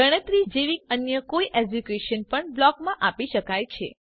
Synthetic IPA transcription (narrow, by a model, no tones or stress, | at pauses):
əɽ̃ət̪ɾid͡ʒeʋik̚ənjəkoiʔed͡ʒukeʃənpəɳblɔkmãʔapiʃəkajt͡ʃʰḛ